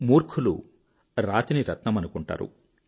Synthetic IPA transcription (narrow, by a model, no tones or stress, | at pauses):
muːɾkʰulṵ | ɾaːt̪iniɾɐt̪nɐmɐnukuɳʈa̰ːɾṵ